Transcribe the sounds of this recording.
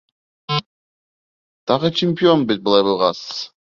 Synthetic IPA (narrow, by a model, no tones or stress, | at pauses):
d̪̥ɑʁət͡ʃʰɪmʲpʲionbit̪̚bɨlˠɑjbɯlˠʁɑsɯ̥z̥